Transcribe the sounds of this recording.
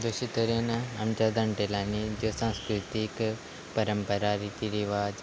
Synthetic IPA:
d̪oʃit̪oɾenaɐmt͡ʃad̪ɐɳʈelaːnid͡ʒosãːnskɾut̪ik | pɐɾəmpəɾaɾit̪iɾiʋaːd͡ʒ

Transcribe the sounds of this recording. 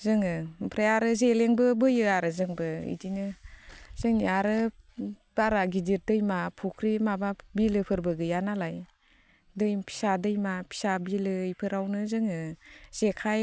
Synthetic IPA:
zɯŋɯpʰɾeaɾɯzeleŋbɯbɯjɯaɾɯzɯŋbɯḭdinɯ | z̥ɯŋiaɾɯ | b̥aɾaɡidiɾ̚dɯjmapʰukʰɾimababilɯpʰɯɾbɯɡɯjanalaj | dɯjpʰi̥sadɯjmapʰi̥sabilɯjpʰɯɾawnɯzɯŋɯz̥ekʰaj

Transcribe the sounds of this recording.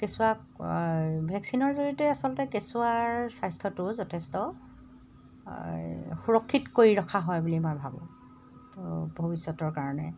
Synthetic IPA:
kesua | bʱɛksinɔɹzoɹitɛasɔlɔtɛkesuaɹsajstʰɔtʊzɔtʰestɔ | xuɹɔkʰːitkoɹiɹɔkʰaɦɔjbulimojbʱabɔ̰̃ | tobʱobisːɔtɔɹkaɹɔnɛ

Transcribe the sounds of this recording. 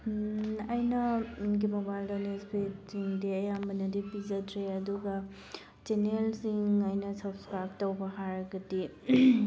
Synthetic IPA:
ɐjnɐɡimobajldanespʰetsiŋdiɐjambɐnɐdipizɐtɾeɐduɡɐ | t͡ʃenelsiŋɐjnɐsɐbskɾajb̚tɐwbɐɦaɾɐɡɐdi

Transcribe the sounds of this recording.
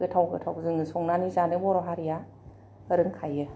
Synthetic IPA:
ɯtʰawɡɯ̰tʰawzɯŋɯsɔŋnanizanɯbɔɾɔɦaɾija | ɾɯŋkʰajɯ

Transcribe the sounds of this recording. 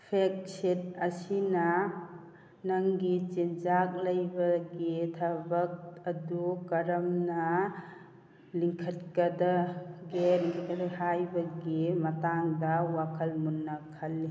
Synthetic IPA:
pʰek̚set̚ɐsinɐ | nɐŋɡit͡ʃind͡ʒak̚lɐjbɐɡitʰabɐk̚ɐdukɐɾɐmnɐ | liŋkʰɐt̚kɐdaɡeɾikʰdhajbɐɡimɐtaŋdɐwakʰɐlmunːɐkʰɐlːi

